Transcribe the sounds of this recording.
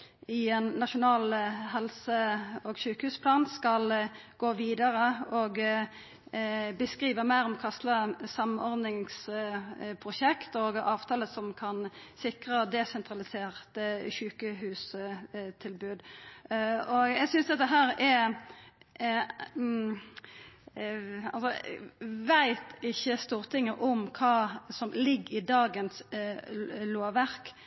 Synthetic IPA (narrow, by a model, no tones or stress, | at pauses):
ɪɛnːɑʃʊnɑːlɦɛlsəɔɡʃʉːkəhʉːspʰlɑːnskɑlɡ̥oːʋiːd̪ɑʁəɔɡ | bəskʁiːʋəmæɪɾɔmkʰɑst̪ləsɑmɔʁd̪nɪŋs | pʰʁʊʃɛkt̪ɔɡɑːʋt̪ʰɑːləsɔmkʰɑnsɪkʁəd̪ɛsɛnt̪ʰʁɑlɪseːʁt̪əɕʉːkəhʉːs | t̪ʰɪlbʉːd̪ | ɔɡjæɪɡsʏnsd̪ɛt̪ːəɦæːɾɛ | ɑ̰lsɔ | ʋæɪt̪ɪçːəst̪uːʁt̪ʰɪŋːəʔɔmkʰɑːsɔmlɪɡɪd̪ɑːɡəns | loːʋæʁk